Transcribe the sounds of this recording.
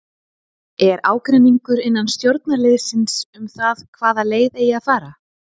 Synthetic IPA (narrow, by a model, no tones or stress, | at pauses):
ɛɾaːwkɾɛnːiŋkʏɾɪnːanst̪jowɾt̪naɾleð̥sɪnsʏmθaðkʰvaːðaleːjðejaðfaːɾa